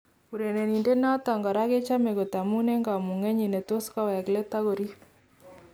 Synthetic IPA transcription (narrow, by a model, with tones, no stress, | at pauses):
ku˨ɾe˨ne˨ni˨nde˦na˦ta˨ŋɡɔ˨ɾa˦ke˦t͡ʃa˦me˨ko˨ta˨mu˦ne˦ŋɡa˨mu˨ŋe˦ɲi˨ne˨to˦skɔ˦wɛ˨kle˦ta˦ɣo˨ɾi˦